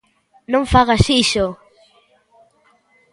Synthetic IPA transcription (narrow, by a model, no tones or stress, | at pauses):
nõŋfaɣasiʃo